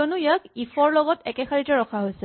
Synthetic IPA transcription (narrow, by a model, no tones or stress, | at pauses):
onujakifʰɔɹlɔɡɔtɛkɛxʰaɹitɛɹɔkʰaɦojsɛ